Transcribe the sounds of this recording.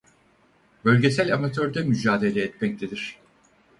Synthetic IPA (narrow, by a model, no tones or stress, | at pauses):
bø̞lʲɟe̞sælʲamat̪ʰøɾd̪ɛmyd͡ʒaːd̪e̞lʲɛːt̪mɛc̚t̪ed̪iɾ̥